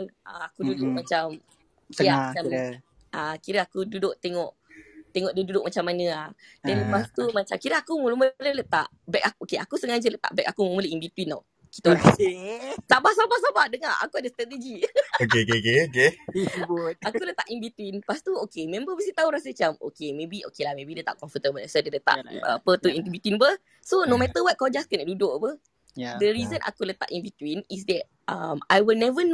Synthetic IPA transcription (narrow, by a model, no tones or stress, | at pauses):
a̰akududʊkmat͡ʃam | kamaa | ʔakiɾəakududʊʔt̪eŋɔʔ | t̪eŋɔʔdududʊʔmat͡ʃamːanə̃ahdɛnləpast̪umat͡ʃamkiɾəakumulumələlət̪aʔ | bɛk̚akokeakusəŋad͡ʒələt̪a̰ʔbɛk̚akuməmuləimbit̪uinɔ̰ | ki̥t̪uasisabahsabahs̬abahdəŋaa̰kuadəst̪ɾat̪ed͡ʒiokeokeokeok̬ebut̪̚akulət̪aʔinbit̪uinpast̪uokemɛ̃mbəbisit̪auɾasət͡ʃamo̰kemẽbiʔo̰kelahmẽbidət̪a̰ʔkɔ̃nfət̪əmənasədədət̪a̰ʔə̰pət̪uĩnt̪ubit̪winpə | sonomɛt̪əwat̪̚kɔd͡ʒaskənɛʔdudoʔpə | dəɾizə̃nʔa̰kulət̪a̰ʔinbit̪winis̬dɛt̚ | amajwilnɛvən